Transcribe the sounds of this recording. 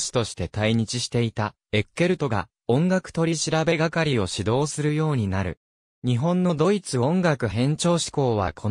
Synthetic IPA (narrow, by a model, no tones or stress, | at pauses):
ɕi̥t̪o̞ɕi̥t̪e̞t̪aiɲ̟it͡ɕiɕi̥t̪e̞it̪a | e̞kːe̞ɾɯ̟t̪o̞ɡa̰ | õ̞ŋɡakɯ̟̥t̪o̞ɾʲiɕiɾabe̞ɡakaɾʲio̞ɕid̪o̞ːsɨɾɯ̟jo̞ːɲ̟inaɾɯ̟̰ | ɲ̟iɦõ̞nːo̞d̪o̞it͡sɨõ̞ŋɡakɯ̟ɦẽ̞ɲ̟t͡ɕo̞ːɕi̥ko̞ːβa̰kʰo